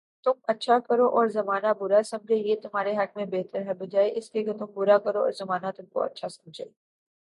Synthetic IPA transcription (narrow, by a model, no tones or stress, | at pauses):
t̪ʊmɐtːʃʰakɐɾoʔɔːɾzɐmaːnabʊɾasɐ̃md͡ʒʱejet̪ʊmɦaːɾeɦɐk̚mẽbɛɦt̪əɾɦɛbɐd͡ʒaːeʔɪslieket̪ʊmbʊɾakɐɾoɔ̰ːɾzɐmaːnat̪ʊmko̰ɐ̰tːʃʰasɐ̃md͡ʒʱeː